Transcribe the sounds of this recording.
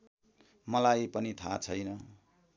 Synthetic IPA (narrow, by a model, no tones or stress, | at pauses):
mʌlajpʌnit̪ʰa̰t͡sʰʌjnʌ